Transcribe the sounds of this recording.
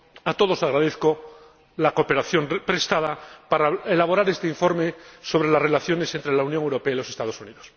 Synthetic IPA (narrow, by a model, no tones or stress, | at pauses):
at̪o̞ðo̞saɣɾaðeθko̞ | lakope̞ɾaθjo̞mpɾe̞st̪aðapaɾaelaβo̞ɾaɾe̞st̪eiɱfo̞ɾme̞so̞βɾe̞lasre̞laθjo̞ne̞sent̪ɾe̞launjõŋewɾopeailo̞se̞st̪að̞o̞suniðos